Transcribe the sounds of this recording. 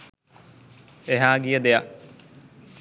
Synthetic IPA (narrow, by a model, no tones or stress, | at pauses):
eɦaːɡijəd̪eja